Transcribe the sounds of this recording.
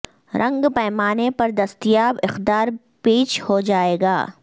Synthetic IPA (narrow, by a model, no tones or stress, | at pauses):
ɾʔɐ̃ŋɡpɛːmaːnepɐɾd̪ɐst̪ijaːbɪxd̪aːɾ | peːʃhod͡ʒaːeːɡa̰ː